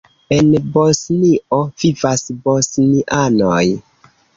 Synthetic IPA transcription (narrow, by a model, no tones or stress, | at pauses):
enbosniʔovivasbosniʔanoj